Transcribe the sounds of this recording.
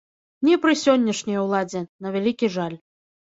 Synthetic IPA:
nʲɛpɾɨsʲɔnʲːɐʂnʲɐjwlˠad͡zʲɛnɐvʲalʲikʲiʐalʲ

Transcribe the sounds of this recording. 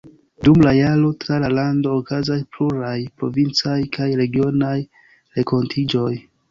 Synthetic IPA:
dumlajaɾo̞tɾalalando̞ːkazaspluɾajpɾo̞̰vint͡sajkajɾe̞ɡio̞naj | ɾe̞kʰo̞ntʰid͡ʒo̞j

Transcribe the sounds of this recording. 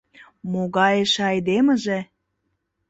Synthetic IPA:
moɣɑjeʃɑjd̪emə̆ʒĕ

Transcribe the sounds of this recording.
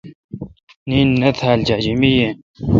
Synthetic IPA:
ninːɐt̪ʰaːld͡ʑaːd͡ʑimije

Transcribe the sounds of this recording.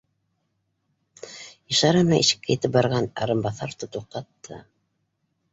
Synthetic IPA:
ɤ̆ʃɑɾnɑʔiʃɘ̥̆kːæjet̪ɘp̚bɑɾʁɑnɑ̰ɾɤmbɑθɑɾt̪ot̪uq̚qɑt̪ːɤ̰

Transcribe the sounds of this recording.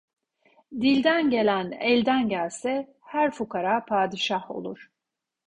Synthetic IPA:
d̪ilʲd̪ænɟe̞lʲænɛlʲd̪ænɟælʲsɛ | hæɾfukaɾapʰaːd̪iʃaho̞̰lˠuɾ̥

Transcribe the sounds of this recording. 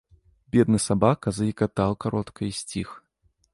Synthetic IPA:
bʲɛd̪̚nɨsabakɐzɐikat̪awkaɾɔt̪kʰɐjsʲt͡sʲix

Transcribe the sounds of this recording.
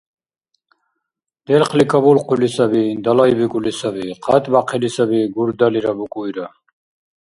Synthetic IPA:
d̪̥ɛlχʰlikʼaβulqʼulisabid̪alaibikʼulisabiqʰat̪ʼbaqʰɛlisabiɡuɾd̪aliɾabukʼujɾa

